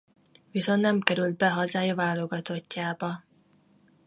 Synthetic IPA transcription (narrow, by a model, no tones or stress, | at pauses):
viso̞nt̪nɛmkɛɾyld̪̚bɛɦɒzaːjɒvaːlo̞ɡɒt̪o̞cːaːbɒ